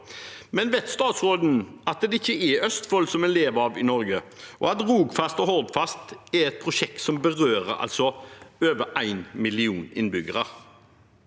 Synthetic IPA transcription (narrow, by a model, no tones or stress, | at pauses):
mɛnʋɛt̪st̪ɑːt̪sʁoːd̪n̩ɑt̪̚d̪ɛd̪ɪçːəɛœst̪fɔlsɔmɛnleːʋəɑːʋɪnɔɾɡəʔɔ̰ɑt̪ʁuːɡfɑst̪ɔɦɔld̪fɑst̪ɛɾɛt̪̚pʰʁʊʃɛk̚t̪sɔmbəʁøːɾəɾɑ̰lt̪sɔøːʋəʔæɪnmɪlɪuːnɪ̰nbʏɡəʁəɾ